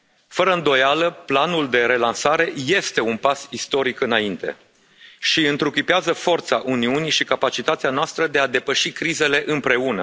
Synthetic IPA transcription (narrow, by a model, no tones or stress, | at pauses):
fəɾəɨnd̪o̞jaləplanuld̪e̞ɾe̞lansaɾe̞je̞st̪e̞unpasist̪o̞ɾikɨnaint̪e̞̰ | ʃiɨnt̪ɾukipeazəfo̞rt̪saʔuniuniʃikapat͡ʃit̪at̪sianoast̪ɾəd̪e̞ad̪e̞pəʃikɾize̞le̞ʔɨmpɾe̞unə